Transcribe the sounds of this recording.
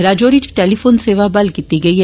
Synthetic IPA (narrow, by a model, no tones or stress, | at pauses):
ɾaːd͡ʒoːɾit͡ʃʈeːlifoːnseːʋabɐlkiːt̪iɡɐiɦ